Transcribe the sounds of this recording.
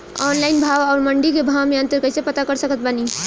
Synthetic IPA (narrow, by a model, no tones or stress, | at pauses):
ɔnlainbʱawaʊɾməɳɖikebʱawmeənt̪əɾkəjsepət̪akəɾsəkət̪̚bani